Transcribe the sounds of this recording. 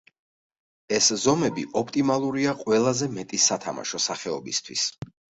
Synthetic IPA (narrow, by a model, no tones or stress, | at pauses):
ɛszɔmɛbḭʔɔpʰt̪ʼimalˠuɾiaqʼwɛlˠazɛmɛt̪ʼisat̪ʰa̰ma̰ʃɔsaχɛɔbḭst̪ʰwḭs